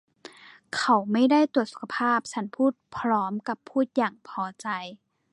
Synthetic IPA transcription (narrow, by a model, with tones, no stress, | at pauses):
kʰa˧˩wma˥˩jda˥˩jt̪u˨˩t̪̚su̥˨˧˩kʰa˧pʰaː˥˩p̚t͡ɕʰa˦˥npʰuː˥˩t̪̚pʰɾɔː˦˥mka˧˩pʰːuː˥˩t̪̚jaː˨˩ŋpʰɔː˧˦t͡ɕa˧j